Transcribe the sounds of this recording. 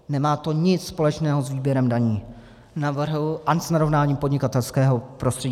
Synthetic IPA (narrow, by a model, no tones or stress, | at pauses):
nɛmaːt̪o̞ɲɪt͡sspo̞lɛt͡ʃnɛːɦozviːbjɛɾɛmdaɲiː | navr̩ɦlʔansnaɾovnaːɲiːmpodɲɪkat̪ɛlskɛːɦo̞pɾost̪r̥ɛɟi